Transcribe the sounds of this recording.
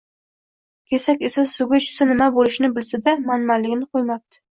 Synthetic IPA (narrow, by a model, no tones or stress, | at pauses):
kʲʰesakʲesaʊɡʲat͡ʃʰʊ̥sanɪmabolɪʃnɪbɪlsad̪amanmalːɪɡʲnɪqʰojmap̚t̪ʰɪ̥